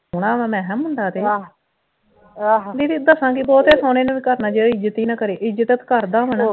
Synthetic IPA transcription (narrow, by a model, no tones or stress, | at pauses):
ɽaːɛ̃ːmɛ̃ːɦɛmɦʊɳd̪aːt̪eː | d̪iːt̪iːd̪əsãːkibɔːt̪ɛːsaːneːnãːʋiːkəɾnaːd͡ʒeːɪd͡ʒət̪iːnakəɾeːʔɪd͡ʒət̪ət̪kəɾd̪aːʋɛnː